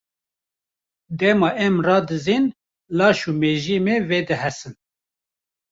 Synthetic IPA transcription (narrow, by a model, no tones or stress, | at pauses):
d̪ɛmɑːʔɛmrɑːd̪ɨziːn | lɑːʃuːmeːʒiːmeːveːd̪ɨhɛsɨn